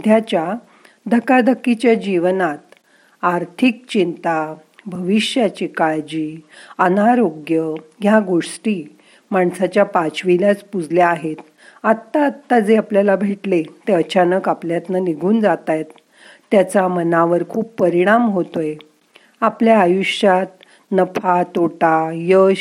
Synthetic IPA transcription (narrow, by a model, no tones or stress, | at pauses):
d̪ʱjat͡ɕja | d̪ʱəkad̪əkːit͡ɕjad͡ʑiʋnat̪ | aɾt̪ʰik̚t͡ɕint̪a | bʱəʋiʂjat͡ɕikaɭd͡ʑiːənaɾoɡjəɦjaɡoʂʈiː | maɳsat͡ɕjapat͡ɕʋiljat͡spud͡zʱljaaɦet̪ | at̪ːaːt̪ːad͡zeapljalabʱeʈlet̪eət͡ɕanəkapljat̪naniɡʱuːnd͡zat̪ajt̪ː | jat͡samənaʋəɾkʰuːpːəɾiɽ̃amɦot̪oje | apljaːjuʂjat̪ | nəpʰat̪oʈajə